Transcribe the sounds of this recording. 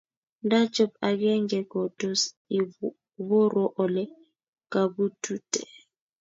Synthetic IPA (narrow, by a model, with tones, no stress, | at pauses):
ndḁ˦t͡ʃɔ˨p̚a˨k̬ɛ˦ŋɛ˨ɡ̥ɔ˨d̥ʱɔ˨s | i | βɔ˦ɾɔ˦ʔɔ˨lɛ˦ | ka˨ɓu˦tʰu˦tʰʼɛ˨